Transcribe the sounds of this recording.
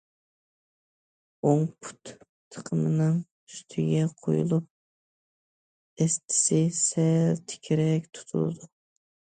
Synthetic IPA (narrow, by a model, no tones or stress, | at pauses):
oŋpʰu̥t̪ | t̪ʰːə̥qʰəmɨnɨŋ | yst̪ʰɪɡʲɛqʰo̰jṵlˠup̚ | ɛst̪ʰɪ̥sɪsɛlt̪ʰɪ̥kʲʰiɾɛkʲt̪ʰu̥t̪ʰṵlˠɨ̰d̪u